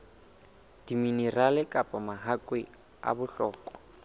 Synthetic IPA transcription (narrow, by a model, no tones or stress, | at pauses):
d̥iminiralɪkʼapʼɔmaɦakʼwɪ | a̰bʊɬɔːkʼɔ̥